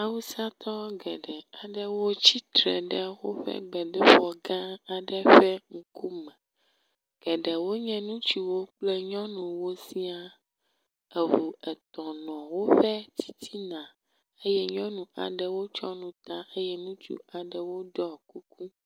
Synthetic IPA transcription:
a˦wu˦sa˦t̪ʰɔ˦ɡɛ˨ɖɛ˨a˨ɖɛ˦wo˦t͡ɕi˦t̪ɾɛ̰˨ɖɛ˦wo˦ɸɛ̰˦ɡ͡bɛ˨ɖɛ˦ɸɔ˨ɡã˦a˨ɖɛ˦ɸɛ˦ŋ̩˨ku˦mɛ̃˨ | ɡ̥ɛ˨ɖɛ˨wo˦ɲɛ̃˦nũ˦t͡ɕu˨wo˦k͡plɛ˦ɲɔ̃˦nũ˨wo˦si˦a˦ | ɛ˨vu˨ɛ˨t̪ɔ̃˨nɔ̃˨wo˦ɸɛ˦t͡ɕi̥˦t̪i˦nã˨ | e˦jɛ˦ɲɔ̃˦nũ˨a˨ɖɛ˨wo˦t͡ʃɔ˦nũ˨t̪a˦ʔe˦jɛ˦nũ˦t͡ʃṵ˦a˨ɖɛ˨wo˦d̪ɔ˦˨ku˦ku˦

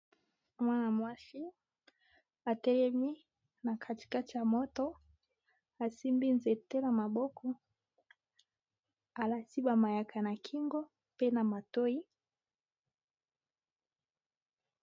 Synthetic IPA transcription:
mwa˦na˨mwa˦ʃi˦ | a˨tɛ˨ɾɛ˦mi˦ | na˨kʰa˨ti̥˨ka˦ti˨ja˨mɔ˦tɔ˦ | a˨si˦mbi˦nzɛ˨tɛ˦na˨ma˨ɓɔ˦kʰɔ˦ | a˨la˨si˦ɓa˨ma˨ja˨kʰa˨na˨kʰi˦ŋɡɔ˦ | pe˦na˨ma˨to˦i˦

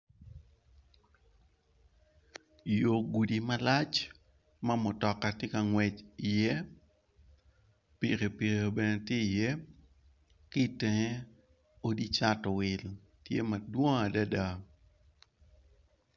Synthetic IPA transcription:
jo˨ɡu˨di˨ma˦la˦t͡ʃ | ma˦mo˨tɔ˨kːa˨tje˦ka˨ŋwɛ˨t͡ʃi˨jɛ˦ | pi˨ɾe˨pi˨ɾeo˨bɛ˨ne˨tje˦i˨jɛ˦ | kɪ˦tɛ˨ŋe˦ | o˦di˦t͡ʃa˦tɔ˨wɪ˨l | tjḛ˦ma˨dwɔ˦ŋa˨da˦da˨

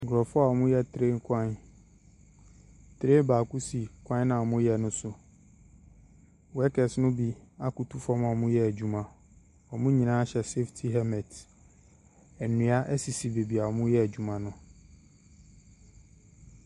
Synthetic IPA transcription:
ɡɾɔ˨fʊ˦a˦˨ɔ˨mʊ̃˦jɛ˦˨tʰɾe˦ŋ̩˦kʰã˦n | tʰɾe˦baː˨ku˦si˨kʰʷã˦n˦ã˨ɔ˨mʊ̃˦jɛ˨nʊ̃˦sʊ˨ | wɛ˦kʰɛ˨snʊ̃˦bi˨a˦ku˨tʰu˦fɔ˦mã˨mʊ̃˦jɛ˦æ˨d͡ʑᶣu˨mã˨ | ɔ˨mʊ̃˦ɲĩ˨nãː˦ɕɛ˨se˦ftʰi˦ɦɛ˦mɛ̃˨t | ɛ˨nũ˨˦a˦ʔɛ˦si˨si˨be˨bi˨a˨mʊ̃˦jɛ˦æ˨d͡ʑᶣu˨mã˨nʊ̃˦

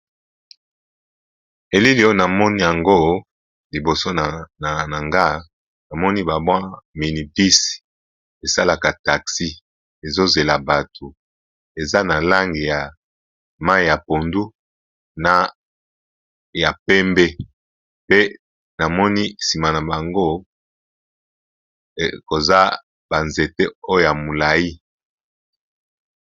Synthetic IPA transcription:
e˨li˦li˨˦o˦na˨mɔ˦ni˦ja˨ŋɡo˦ | li˨bo˨so˦˨na˨ŋɡa˦˨ | na˨mɔ˦ni˦ba˨bwa˦mi˨ni˨pi˦si̥˨ | e˨sa˦la˨ka˨ta˨ksi˦ | e˨zo˦ze˨la˨ba˨tʰo˨ | e˨za˦na˨la˦ŋɡi˨ja˨ | ma˦i˦ja˨po˨ndu˦ | na˨ | ja˨pɛ˦mbe˦ | pe˦ | na˨mɔ˦ni˦si˨ma˨na˨ba˨ŋɡo˦˨ | ko˨za˦ | ba˨nze˨te˦o˦o˨ja˨mo˨la˨ji˦

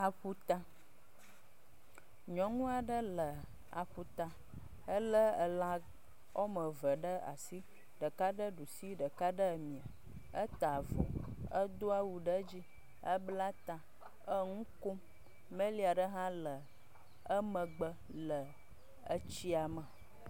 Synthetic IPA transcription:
a˨ɸu˦t̪a˦ | ɲɔ̃˨ŋũ˦a˨ɖə˦lə˨ | a̰˨ɸu˦t̪a˨ | ə˦lə˦ə˨la˦ | o˦mə˨və˨ɖə˦a̰˨si˦ | ɖə˨ka˦ɖə˦ɖu˨si˦ɖə˨ka˦ɖə˦˨mĩ˨a˨ | ə˦t̪a˨vo̰˨ə˦d̪o˦a˦wu˨ɖə˦d͡ʑi˦ | ə˦bla˦t̪a˨ | ə˦ŋũ˦ko˦ | mə̃˦li˦a˨ɖə˦ɦã˦lə˨ | ə˦mə̃˨ɡ͡bə˦ | lə˨ | ə˦t͡ɕi˦a˨mə˨

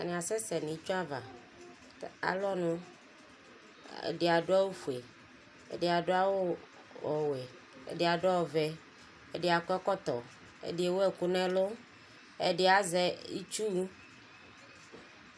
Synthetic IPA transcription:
a̰˨nĩ˨a˨sɛ˦sɛ˨nĩ˨d͡ʒo˦a˦va˨ | a̰˨lɔ˦nũ˦ | ḛ˨ɖi˨a˨ɖo˦a˦wo˦fu˨e˨ | ḛ˨di˨˦a˨ɖo˦a˦wo˦ | ɔ˨we˨ | ḛ˨di˨a˨ɖʊ˦a˦wo˨vɛ˦ | ḛ˨de˨a˨kɛ˦kɔ˦t̪ɔ˨ | ḛ˨di˦e˨wɛ˨ku˦nɛ̃˦lo˦ | ḛ˨ɖe˦a˨zɛ˨ḭ˦t͡ʃu˦

